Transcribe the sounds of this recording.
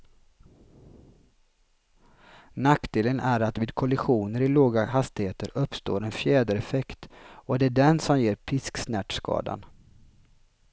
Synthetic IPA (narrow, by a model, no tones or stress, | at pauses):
nakd̪eːlənʔæɾat̪viːd̪̚kʰɔlɪɧuːnəɾɪloːɡaɦast̪ɪheːt̪əɾɵpːst̪o̰ːɾɛnfjɛːd̪əɾɛfɛkt̪ɔd̪ɛæɖɛnsɔmjeːɾpʰɪsksnæʈskɑ̰ːd̪a̰n